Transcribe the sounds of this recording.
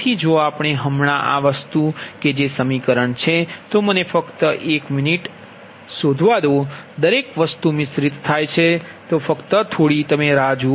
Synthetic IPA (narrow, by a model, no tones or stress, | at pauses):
t̪ʰid͡ʒoapɳ̃eɦəmɳaʔa̰ʋəst̪uked͡ʒesəmikəɾəɳt͡ʃʰet̪omənefəkt̪əʔekminiʈ | sod̪ʱʋad̪od̪əɾekʋəst̪umɪsɾit̪t̪ʰːajt͡ʃʰe | t̪ofəkt̪ət̪ʰoɽit̪əmeɾad͡ʒu